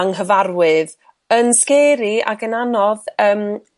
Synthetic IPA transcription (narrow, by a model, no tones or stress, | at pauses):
aŋɦəvarwɨð | ənskɛːɾia̰ɡənanɔðəːm